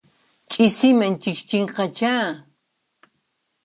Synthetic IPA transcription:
t͡ʃʼɪsɪmaŋt͡ʃɪkt͡ʃɪɴqɑt͡ʃaː

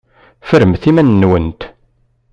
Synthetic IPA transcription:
fəɾəmθimænːwənt̪

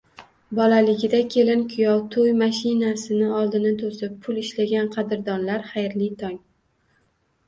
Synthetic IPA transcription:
bɒlalɪɡʲɪd̪akʲʰe̞lɪnkʰʊjɒwt̪ʰojmaʃɪnasɪnɪɒlˠd̪ɪnat̪ʰosɪppʰːʊlɪʃlaɡʲanqʰɑd̪ɪɾd̪ɒnlaɾχɑjɾlɪt̪ʰɒŋ

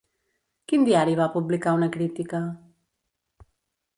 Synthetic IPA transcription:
kind̪iaɾiβapublikaunəkɾit̪ikə

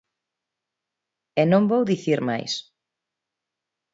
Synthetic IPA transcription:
enõmbowðiθiɾma̰js

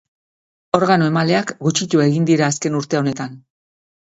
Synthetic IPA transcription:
o̞ɾɣanoe̞male̞akɡut͡ʃit̪ue̞ɣind̪iɾaːske̞nuɾt̪eo̞ne̞t̪an

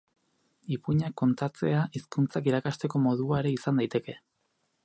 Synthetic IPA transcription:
ipuɲakːo̞nt̪at͡se̞aʔiskunt͡sakiɾakast̪e̞ko̞mo̞ðuaeɾe̞isand̪ajt̪e̞ke̞

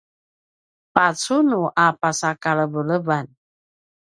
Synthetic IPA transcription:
pat͡sunuʔapasakaləbələban

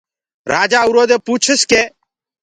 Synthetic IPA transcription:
ɾaːd͡ʒaːuɾoːd̪eːpuːt͡ʃʰəskeː

